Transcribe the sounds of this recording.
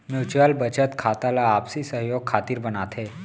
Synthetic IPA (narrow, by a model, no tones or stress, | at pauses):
mjut͡ɕʋalbət͡ɕət̪kʰat̪alaːpsiːsəɦjoɡ̚kʰat̪iːɾbənat̪ʰe